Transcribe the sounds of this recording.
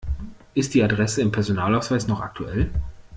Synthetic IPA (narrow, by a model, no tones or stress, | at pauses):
ʔɪst̚d̥iːadʁɛsəɪmpʰɛɐzonaːlaʊsv̥aɪsnɔχa̰k̚tʰuʔɛl